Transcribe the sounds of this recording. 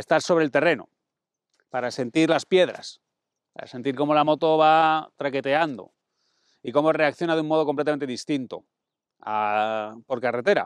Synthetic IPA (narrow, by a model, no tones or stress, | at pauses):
est̪aɾso̞βɾe̞lt̪e̞re̞no̞̰ | paɾase̞nt̪iɾlaspje̞ðɾa̰s | pa̰ɾa̰se̞nt̪iɾko̞mo̞lamo̞t̪o̞βat̪ɾake̞t̪e̞and̪o̞̰ | iko̞mo̞re̞akθjo̞naðumo̞ð̞oko̞mplet̪ame̞nt̪eðist̪int̪o̞̰ | apo̞ɾkare̞t̪e̞ɾa̰